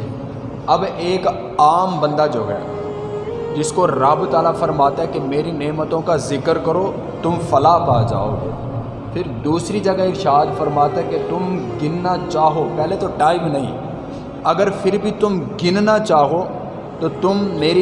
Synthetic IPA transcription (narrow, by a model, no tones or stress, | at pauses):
ɐbeːk | aːmbɐ̃nd̪ad͡ʒoːɦɛ̰ː | d͡ʒɪskoɾaːbut̪aːlafɐɾmaːt̪aɦɛkemeːɾineːmət̪õkazɪkəɾkəɾoː | t̪ʊmfɐlaːpaːd͡ʒa̰ːo̰ː | pʰɪɾd̪uːsɾid͡ʒɐɡaeʃaːd̪fɐɾmaːt̪aɦɛket̪ʊmɡɪnnat͡ʃaːɦopɛɦlet̪oʈaːɪmnɐɦḭ̃ | ɐɡəɾpʰɪɾbʱit̪ʊmɡɪnnat͡ʃaːɦo | t̪ot̪ʊmːeːɾi